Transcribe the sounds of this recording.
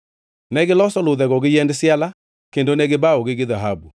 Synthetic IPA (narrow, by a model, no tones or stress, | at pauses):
nɛɣelɔsɔloðɛɣɔɣejɛndesjala | kendonɛɣebaoɣeɣeðaɦabu